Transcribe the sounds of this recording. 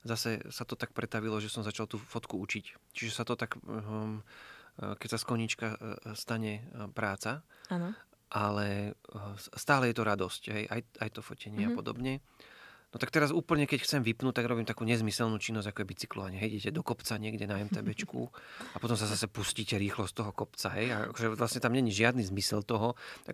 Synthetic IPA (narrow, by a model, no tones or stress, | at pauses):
zasɛsat̪ɔt̪ak̚pɾɛt̪aʋilɔʒɛsɔmzat͡ʃalt̪uːfɔt̪kuut͡ʃict͡ʃiʒɛsat̪ɔt̪ak | kɛcsaskɔɲit͡ʃkast̪aɲɛpɾaːt͡saan | ʔalɛ | st̪aːlɛjɛt̪ɔɾad̪ɔscɦɛjʔa̰jajt̪ɔfɔcɛɲɪɛappɔd̪ɔ̰bɲɛ | nɔt̪akt̪ɛɾazuːpl̩ɲɛkɛcxt͡sɛmʋipnuːt̪aɡɾɔbiːmt̪akuːɲɛzmisɛlnuːt͡ʃinːɔzɟakɔjɛbit͡si̥klɔ̰ʋaɲɛɦɛjɟɛcɛd̪ɔkɔpt͡saɲɪɛɡɟɛnaːjmt̪ɛ̰bɛt͡ʃkṵapɔt̪ɔmzazasɛpusciːcɛɾiːxlɔst̪t̪ɔɦɔkɔpt͡saɦɛja̰a̰kɔʒɛʋlasɲɛt̪amɲɛɲiʒɪad̪nizmisɛlt̪ɔɦɔt̪a̰k